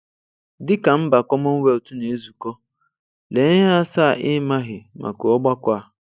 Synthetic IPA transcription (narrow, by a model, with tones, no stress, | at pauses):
dɪ˦ka˨m̩˦ba˨kɔ˦mɔ˦we˦lo˨tu˦ne˨˦zu˨kɔ˦ | le˨˦ɲɪ˦ɦa˦sa˦˨ʔɪ˦ma˦ɦɪ˨mʔa̰˨ko˨ɔ˦ɡ͡ba˦kʷa˦˨